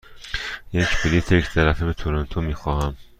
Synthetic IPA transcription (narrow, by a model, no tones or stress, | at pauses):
jecpilit̪ʰeject̪ʰæɾæfebet̪ʰoɾont̪ʰomiːxɒːhæm